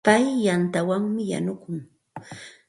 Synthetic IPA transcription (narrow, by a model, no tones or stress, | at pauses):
pajːant̪awaŋmɪja̰nʊkʊŋ